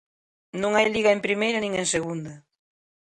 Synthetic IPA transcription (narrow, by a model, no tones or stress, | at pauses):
nõŋajliɣɐempɾimejɾɐnĩŋeŋseɣund̪ɐ